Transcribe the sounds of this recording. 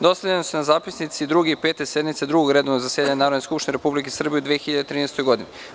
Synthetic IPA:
d̪o̞seʎenosunazaːpisnit̪sid̪ɾuɡeipe̞ːt̪ese̞d̪mit̪sed̪ɾuɡoɡɾe̞ːd̪oʋnozasjed̪aɲenaːɾod̪neskupʃt̪ineɾepublik̬esr̩bijeud̪ʋiexiʎadet̪ɾiːnest̪ojɡo̞d̪ini

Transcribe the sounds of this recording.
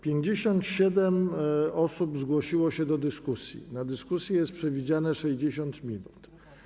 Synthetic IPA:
pʲjeɲd͡ʑeɕɔnt̪ɕɛd̪ɛmɔsubzɡwɔɕiwɔɕɛd̪ɔd̪ɘskusʲjḭnad̪ɘskusʲjɛjɛst̪pʂɛvʲid͡ʑanɛʂɛʑd͡ʑeɕɔnt̪mʲinut̪

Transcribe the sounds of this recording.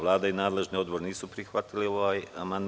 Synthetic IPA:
lˠaːd̪ainaːd̪le̞ʒnio̞d̪bo̞ɾeniːsupɾixʋat̪ilio̞ʋaːjamand̪

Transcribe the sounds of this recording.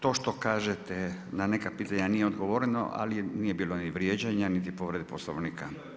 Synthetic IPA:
t̪o̞ːʃt̪o̞kaːʒet̪enanekapiːt̪aɲanijeo̞d̪ɡoʋoɾeno̰ʔa̰liniːjebiːloniʋɾjed͡ʑaɲanit̪ipo̞ʋɾe̞d̪iposlo̰ʋniːka

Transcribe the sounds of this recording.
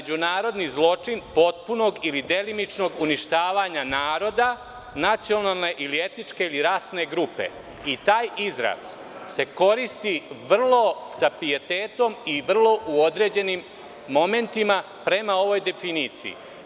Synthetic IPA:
ed͡ʑunaːɾo̞d̪nizlˠo̞t͡ʂinpo̞t̪̚puno̞ɡilid̪e̞limit͡ʂno̞ɡuniʃt̪aːʋaɲanaːɾo̞d̪a | nat̪sijo̞nalˠne̞ʔilie̞t̪nit͡ʂke̞iliɾaːsne̞ɡɾupe̞̰ | it̪aːjizɾa̰z̥ | se̞ko̞ɾist̪iʋr̩lˠo̞sapijet̪e̞ːt̪o̞miʋr̩lˠo̞ʔuo̞d̪ɾe̞ːd͡ʑe̞nimː | o̞me̞nt̪ima | pɾe̞mao̞ʋo̞jd̪e̞finit̪sḭḭ

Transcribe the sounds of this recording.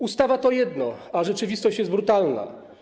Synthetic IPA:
ust̪avat̪ɔjɛd̪nɔaʐɛt͡ʂɘvʲist̪ɔɕt͡ɕjɛsd̪bɾut̪alna̰

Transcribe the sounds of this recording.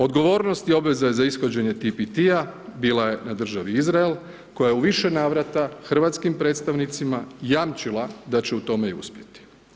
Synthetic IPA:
o̞d̪ɡo̞ʋo̞ːɾno̞st̪io̞bʋe̞zajezaisxod͡ʑe̞ɲe̞t̪ipit̪iabiːlˠaje̞nad̪r̩ʒaʋiizɾael | ko̞jajeuʋiʃenaːʋɾat̪axr̩ʋat̪skimpɾe̞ːt̪st̪aʋnit̪simajaːmt͡ʃilˠad̪at͡ɕe̞ut̪o̞me̞iṵspje̞t̪i̥

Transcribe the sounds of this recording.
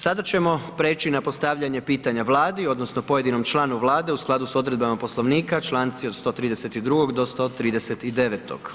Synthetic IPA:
sad̪at͡ɕe̞mo̞pɾe̞ːt͡ɕinapo̞st̪aʋʎaɲe̞piːt̪aɲaʋlˠaːd̪io̞d̪no̞snopo̞je̞d̪ino̞mt͡ʃlˠaːnuʋlˠaːd̪e̞usklad̪uso̞d̪ɾe̞d̪̚bamapo̞slo̞ʋniːkat͡ʃlˠant̪siod̪st̪o̞ːt̪ɾiːd̪e̞se̞t̪id̪ɾuɡo̞ɡd̪o̞st̪o̞t̪ɾiːd̪e̞se̞t̪id̪e̞ʋet̪o̞̰ɡ̥

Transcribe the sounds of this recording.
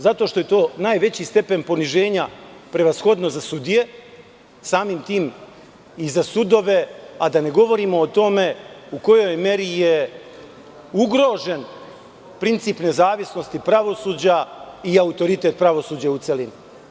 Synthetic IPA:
zat̪o̞ʃt̪o̞je̞t̪o̞ːnaːjʋe̞t͡ɕist̪e̞pe̞npo̞niʒe̞ːɲapɾe̞ʋasxo̞d̪no̞zasud̪ije̞ | saːmimt̪iːm | izasud̪o̞ʋe̞ad̪ane̞ɡo̞ʋo̞ɾiːmo̞ːt̪o̞me̞uko̞jo̞jme̞ɾije | uɡɾo̞ːʒen | pɾint̪siːpne̞zaːʋisno̞st̪ipɾaʋo̞suːd͡ʑaiaut̪o̞ɾit̪e̞t̪̚pɾaʋo̞suːd͡ʑaut̪selinu

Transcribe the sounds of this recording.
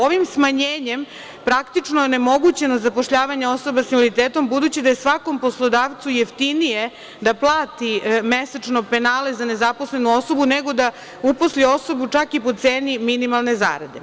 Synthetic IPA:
oʋimsmaɲeːɲe̞m | pɾakt̪it͡ʂnojene̞moɡut͡ɕe̞nozapo̞ʃʎaːʋaɲeo̞so̞basimolit̪eːt̪o̞mbud̪uːt͡ɕid̪aesʋako̞mpo̞slˠo̞d̪aːʋt̪sujeft̪inije̞ | d̪aplˠaːt̪imesat͡ʂnope̞naːle̞zane̞zapo̞sle̞nuo̞so̞buneɡo̞d̪a | uposlio̞so̞but͡ʂakipot̪seːniminimalˠne̞za̰ːɾa̰d̪e̞̰

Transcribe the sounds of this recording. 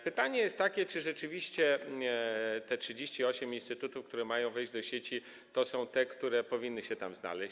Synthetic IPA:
pɘt̪aɲɛjɛst̪ːakʲɛt͡ʂɘʐɛt͡ʂɘvʲiɕt͡ɕɛ | t̪ɛtʂɘd͡ʑeɕt͡ɕiɔɕɛminst̪ɘt̪ut̪ufkt̪uɾɛmajɔ̃w̃vɛjʑd͡ʑd̪ɔɕet͡ɕi | t̪ɔsɔ̃w̃t̪ɛkt̪uɾɛpɔvʲinːɘɕɛt̪a̰mzna̰lɛɕ

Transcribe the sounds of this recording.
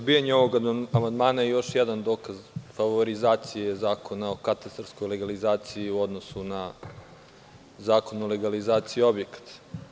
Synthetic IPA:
bijaɲeoʋo̞ɡamand̪maːnajejo̞ʃjɛd̪and̪o̞ːkazfaʋo̞ɾizaːt̪sijezaːko̞naokat̪ast̪arsko̞jle̞ɡalizaːt̪siiuo̞d̪no̞suna | zaːko̞nule̞ɡalizaːt̪sijio̞bjekḁt̪

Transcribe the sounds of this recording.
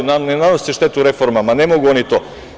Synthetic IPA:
nanɛnanosiʃt̪ɛt̪uɾɛfoɾmamanɛmoɡuonit̪o

